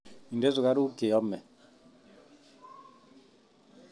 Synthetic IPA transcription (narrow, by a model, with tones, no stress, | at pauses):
i˨ndɛ˦zu˨ka˦ɾu˦ɡe˨ɔ˦mɛ˨